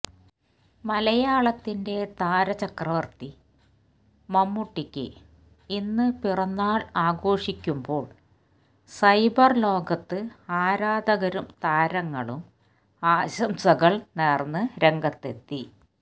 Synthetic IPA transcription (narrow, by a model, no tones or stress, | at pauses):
mɐlɐjaːɭɐt̪ːinde̞t̪aːɾɐt͡ɕɐkrɐʋɐrt̪i | mɐmːuʈːikʲːɨ̰ | inːɨpirɐnːaːɭaːɡo̞ːʂikʲːumbo̞ːɭ | sɐjbɐrlo̞ːɡɐt̪ːɨaːɾaːd̪ɐɣɐɾumt̪aːɾɐŋːɐɭum | aːɕɐmsɐɣɐɭneːrnːɨɾe̞ŋɡɐt̪ːe̞t̪ːi